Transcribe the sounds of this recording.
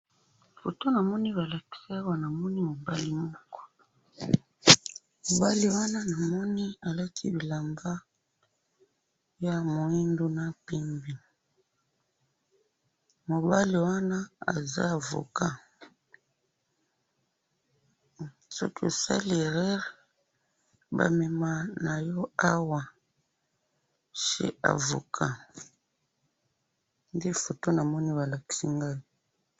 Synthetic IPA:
fo̰˨to˦na˨mɔ˦ni˦βa˨la˨ki̥˦sa˦a˦wa˦na˨mɔ˦ni˦mo˨ba˦li˦mɔ˦kɔ̥˦ | mo˨ba˦li˨wa˦na˦na˨mɔ˦ni˦a˨la˦kʰi˦bi˨la˨mba˦ | ja˨mo˨i˦ndo˦na˦pi˦mbi˨ | mo˨ba˦li˨wa˦na˦a̰˨za̰˦a˨vo̰˨ka˦ | sɔ̰˦ki˦o˨sa̰˦li˨ʁɛ˦ʁ | ba̰˨me˨ma˦na˨jɔ˦a˦wa˨ | ʃḛ˦a̰˨vo̰˨kʰa˦ | nde˦fo˨to˦na˨mɔ˦ni˦βa˨la˨ki̥˦si˦ŋɡa˦i˨

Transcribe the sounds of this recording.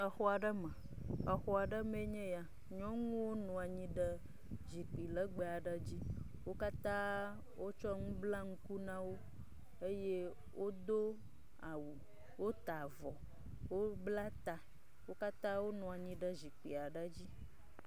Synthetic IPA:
ə˨xɔ˦a˨ɖə˦mə̃˨ | ə˨xɔ˨a˨ɖə˦me˦ɲɛ̃˦ja˨ | ɲɔ̃˦ŋũ˦wo˦nɔ̃˨a˨ɲĩ˦ɖə˦ | zi˨k͡pi˨lə˦ɡ͡be˨a˨ɖə˦d͡ʑi˦ | wo˦ka˦t̪ã˦ | wʔo˦t͡ʃɔ˦ŋũ˦bla˦ŋũ˦ku˦nã˦wo˦ | e˦je˦ | wʔo˦d̪o˦ | a˨wu˨ | wo˦t̪a˨vɔ˨ | wo˦bla˦t̪a˨ | wo˦ka˦t̪ã˦wo˦nɔ̃˨a˨ɲĩ˦ɖə˦zi˨k͡pi˨a˨ɖə˦d͡ʑi˦

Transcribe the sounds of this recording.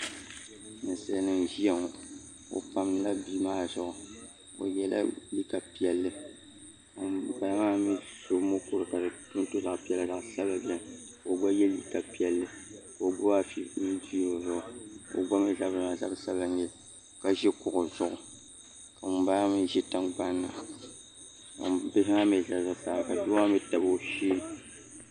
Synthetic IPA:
nɨ˨sɛ˦nɨ˨nʒi˦ɛ˨ŋ˨ | o̰˨pa˦mɨ˦la˦bi˦maː˦zʊ˨ʔʊ˨ | o̰˨jɛ˦la̰˦li˦ka˨pi˦ɛ˨lːɨ˦˨ | pa˨la˦maː˦mi˦so˦mo˦ku˨ɾɨ˨ka˨dɨ˨tu˦n˦to˦za˨ʔpi˦ɛ˦la˦˨za˨ʔsa˦ba˨bɛ˨n | o˨ɡ͡ba˦jɛ˦li˦ka˨pi˦ɛ˨lːɨ˦ko˨ɡ͡bo˦a˦fi˦mi˦di˦o˨zʊ˨ʔʊ˨o̰˨ɡ͡ba˦mɛ˦˨za˦bɨ˨na˨za˦bsa˦ba˦ɲ˦ɛ˦˨ | ka˨ʒɛ˦kʊ˨ʔʊ˨zʊ˦ʔʊ˨ | ka˨mʊ˨baː˦mɨ˦ʒɛ˦ta˦ŋɡ͡ba˦nːa˨ | ka̰˨m˨be˦ɦɪ˦a˦me˨za˦˨za˦˨saː˨˦˨ka˨du˦ma˦mi˦ta˨bo˦ʃiː˦˨

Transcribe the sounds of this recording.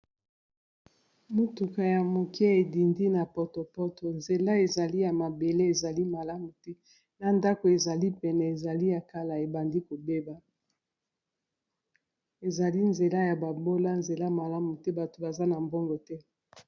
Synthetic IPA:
mo˨tu˨ka˨ja˨mo˨ki˦e˨di˨ndi˦na˨pɔ˨to˨pɔ˦to˨nze˨la˦e˨za˨li˦ja˨ma˨be˨le˦e˨za˨li˦ma˨la˦mu˨tɛ˦ | na˨nda˦ko˨e˨za˨li˦pɛ˨nɛ˨e˨za˨li˦ja˨ka˨la˨e˨ba˨ndi˦ko˨be˦ba˨ | e˨za˨li˦nze˨la˦ja˨ba˨bo˦la˦nze˨la˦ma˨la˦mu˨tɛ˦ba˨to˨ba˨za˦na˨mbo˦ŋɡo˨tɛ˦

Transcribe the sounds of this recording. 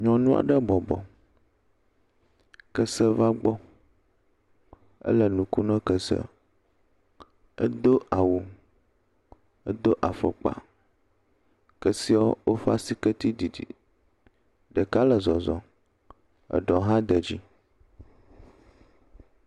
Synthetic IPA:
ɲɔ̃˨nũ˦a̰˨ɖə˦bɔ˨bɔ̰˨ | kə˦sə˦va˦ɡ͡bɔ˦ | ə̰˦lə˨nũ˨ku˦nə̃˦kə˨sə̰˦ | ə̰˦d̪o˦a˨wu˨ | ə˦d̪o˦ʔa˨fə̰˨k͡pa̰˨ | kə˦si˦ao̰˦wo˦fa˦si˦kə˦t̪i˦di˨dḭ˨ | ɖə˨ka˦lə˨zɔ˨zɔ̰˨ | ə̰˨ɖɔ˨ɦã˦d̪ə˨d͡ʑi˦

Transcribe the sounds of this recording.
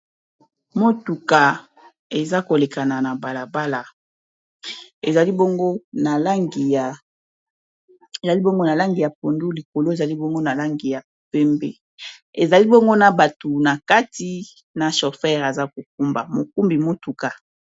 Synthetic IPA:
mo˦tu˨ka˨ | e˨za˦ko˨le˨ka˨na˨na˨ba˨la˨ba˦la˨ | e˨za˨li˦bo˦ŋɡo˦na˨la˦ŋɡi˨ja˨ | e˨za˨li˦bo˦ŋɡo˦na˨la˦ŋɡi˨ja˨po˨ndu˦li˨ko˨lo˦e˨za˨li˦bo˦ŋɡo˦na˨la˦ŋɡi˨ja˨pe˦mbḛ˦ | e˨za˨li˦bo˦ŋɡo˦na˨ba˨to˨na˨ka˦ti˦ | na˨ʃo˨fɛ˦ʁa˨za˦ko˨k̚u˦mba̰˨mo˨ku˦mbi˨mo˦tu˨ka˨

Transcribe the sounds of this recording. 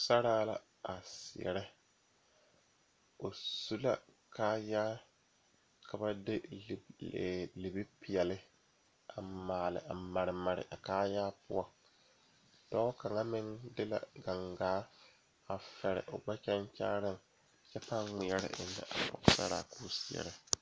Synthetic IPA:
sa˦ɾaː˦la̰˨ | a˨sɪ˨ɛ̰˨ɾɛ˦ | o˨su˦la˨ | kaː˦jaː˦ | kʰa˨ba˦dɪ˦˨ | li˨bi˦pɪ˨jɛ˨lɪ˦ | a˨maː˨lɪ̰˨ʔa˨ma˨ɾɪ˨ma˨ɾɪ̰˨ʔa˨kaː˦jaː˦pʊ̰˦a˨ | d̥ɔː˦ka˨ŋa˦mɪ˦ŋdɪ˦la̰˨ɡa˨ŋɡaː˦ | a˨fɛ˨ɾɪ̰˨ʔo˨ɡ͡ba˦t͡ʃɛ˦nt͡ʃaː˦ɾɪ˦ŋ˨ | t͡ʃɛ˦pa˦ŋŋ͡mɪ˨ɛ˦ɾɪ̰˦˨nːɪ̰˦ʔa̰˨pɔ̰˨ksa̰˦ɾa̰˨kuː˦sɪ˨ɛ̰˨ɾɛ˦

